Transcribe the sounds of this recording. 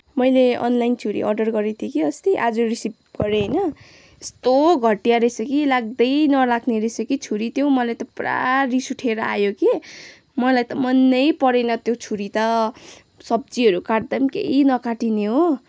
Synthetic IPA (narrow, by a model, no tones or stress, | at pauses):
mʌjleʌ̰nlajnt͡sʰuɾḭʔʌ̰rɖʌrɡʌɾet̪ʰjokiʌst̪iʔad͡zorisip̚ɡ̥ʌɾejnʌ | st̪oɡʱʌʈijaɾʌsʌkilaɡ̚d̪ʌjnʌlakʰneɾʌsʌkit͡sʰuɾit̪jowmʌlajt̪ʌpra̰risuʈʰeɾʌa̰joki | mʌlajt̪ʌmʌnːʌjpʌɾenʌt̪jot͡sʰuɾit̪ʌ | sʌb̚d͡ziɦʌɾukaʈd̪ʌmkḛinʌkaʈineɦo